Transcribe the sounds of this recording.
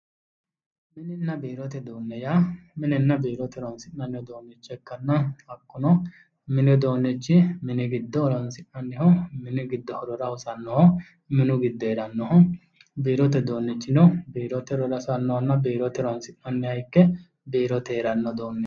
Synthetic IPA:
mɪnɪnːɐbiːɾɔt̪ɛd̪oːnːɛjamɪnɛnːɐbiːɾɔt̪ɛɾɔnsɪnːɐnːɪhɔd̪oːnːɛt͡ʃːɛkːɐnːɐɐkːʊnɔ | mɪnɪɔd̪oːnːɛt͡ʃːɪmɪnɪɡɪd̪ːɔːɾɔnsɪnɐnːɪhɔmɪnɪɡɪd̪ːɔhɔɾɔɾɐhʊsɐnːɔhɔ | mɪnʊɡɪd̪ːɔɛɾɐnːɔhɔ | biːɾɔt̪ɛd̪oːnːɛt͡ʃːɪnɔbiːɾɔt̪ɛɾɔɾɐsɐnːɔhɔnːɐbiːɾɔt̪ɛɾɔnsɪnnɐnːɛhɐjkːɛ | biːɾɔt̪eːɾɐnːɔd̪oːnːɛ

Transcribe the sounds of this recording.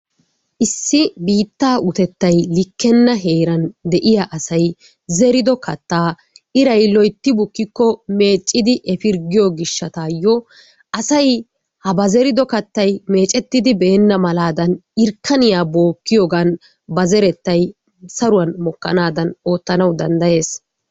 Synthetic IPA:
ʔɪsːɪbiːt̪ːaːʔʊt̪ɛt̪ːɐjlɪkːɛnːɐɦeːɾɐnd̪ɛʔɪjaʔɐsɐj | zɛɾɪd̪ɔkʰɐt̪ːaː | ɪɾɐjlɔjt̪ːɪbʊkːɪkːɔme̞ːt͡ʃʼːɪd̪ɪʔɛfɪɾɡɪjɔɡɪʃːɐt̪aːjːɔ | ʔɐsɐj | hɐbɐzɛɾɪd̪ɔkɐt̪ːɐjme̞ːt͡ʃʼɛt̪ːɪd̪ɪbɛːnːɐmɐlaːd̪ɐnɪɾkːɐnɪjaːbo̞ːkːɪjɔɡan | bɐzɛɾɛt̪ːɐj | sɐɾʊwɐnmɔkːɐ̰naːd̪ɐno̞ːt̪ːɐnɐwd̪ɐnd̪ɐje̞ːs

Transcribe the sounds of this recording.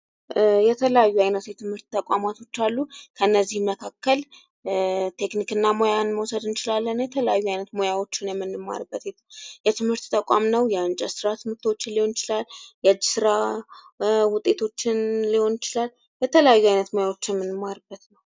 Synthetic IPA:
jɛt̪ʰələjajːuajnət̪jɛt̪ʰɨmhɨɾt̪t̪ʰʼːəkʷʼamat̪ʰo̞t͡ʃːalːukʰəɨnːəzːihmːəkʰakːəl | t̪ʰe̞knikɨnːamo̞janməwsəd̪ɨnt͡ʃɪlalːənjɛt̪ʰələjajːuajnət̪mo̞jawo̞t͡ʃːɪnjɛmːɨnːɨmːa̰ɾɨbːət̪ɛ | jɛt̪ʰɨmhɨɾt̪t̪ʰʼəkʷʼa̰mnəwjɛant͡ʃʼəsɨɾat̪ʰɨmhɨɾt̪ʰwo̞t͡ʃːɪnliho̞njɪt͡ʃɪlalːjɛad͡ʒːɪ̥sɨɾa | wʊt̪ʼːe̞t̪ʰo̞t͡ʃːɪnliho̞njɪt͡ʃɪlalː | jɛt̪ʰələjajːuajnət̪mo̞jawo̞t͡ʃːɪjɛmɨnːɨmːaɾɨbːət̪nəw

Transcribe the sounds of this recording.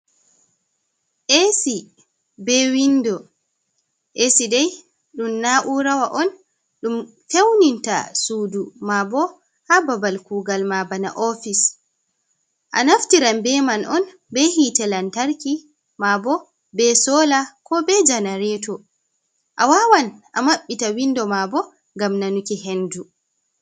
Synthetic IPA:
ʔesi | bɛwindɔ | ʔesidɛj | ɗumnaʔuɾawaʔɔn | ɗum | fewninta̰suːdumabɔ | hababalkuːɡalmabanaʔɔfis | ʔa̰naftiɾambɛmanʔɔn | bɛhitɛlantaɾki | mabɔ | bɛsɔːlakɔbɛd͡ʒanaɾɛtɔ | ʔawawanʔamaɓːitawindɔmabɔ | ŋɡamnanukiɦendu

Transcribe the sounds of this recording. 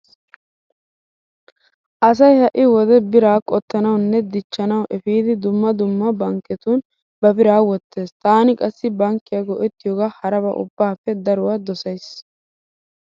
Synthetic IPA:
ʔɐs̬ɐjhɐʔɪwɔd̪ɛbɪɾaːkʼɔt̪ːɐnɐwnːɛd̪ɪt͡ʃːɐnɐwʔɛfiːd̪ɪd̪ʊmːɐd̪ʊmːɐbɐŋkːɛt̪uːn | bɐbɪɾaːwɔt̪ːe̞ːst̪aːnɪkʼɐsːɪbɐŋkːɪjɐɡɔʔɛt̪ːɪjoːɡaːhɐɾɐbɐ̰ʔʊ̰bːaːfːɛd̪ɐɾʊwaːd̪ɔsɐjs

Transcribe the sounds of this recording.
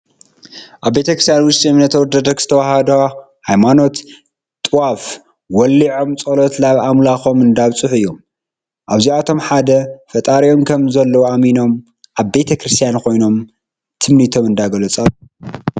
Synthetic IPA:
ʔaβːe̞t̪ʰɐkɾɨst̪ʰjanwʊʃt̪ʼimnɐt̪ʰɐwɔd̪ɐd̪ɐkz̥ɨt̪ʰɐwahɐd̪ɐ | hajmano̞t̪ | t̪ʼɨwaf | wɔlːiʕo̞mt͡sʼolot̪laβamlaxo̞mɨnd̪aβt͡sʼɨħɨjːom | ʔaβziat̪ʰo̞mħad̪ɐfɐt̪ʼaɾio̞mkʰɐmzɐlːɐwuamino̞m | ʔaβbe̞t̪ʰɐkɾɨst̪ʰjankʰo̞jno̞m | t̪ʰɨmnit̪ʰo̞mɨnd̪aɡɐlɐt͡sʼɐβ

